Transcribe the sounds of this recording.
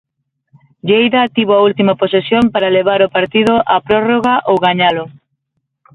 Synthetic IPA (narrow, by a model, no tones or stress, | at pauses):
ʎejðɐt̪iβoault̪imɐposesjompaɾaleβ̞aɾopaɾt̪iðʊʔapɾɔroɣɐʔowɣaɲalʊ